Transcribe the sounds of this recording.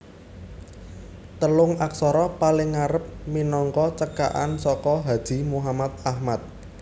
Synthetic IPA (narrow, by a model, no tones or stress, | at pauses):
t̪əlʊŋaksɔɾɔpalɪŋːaɾəp̚minɔŋkɔt͡ʃəka̰ʔa̰nsɔkɔɦad̥ʒ̥i̤muɦamat̪̚ahmat̪̚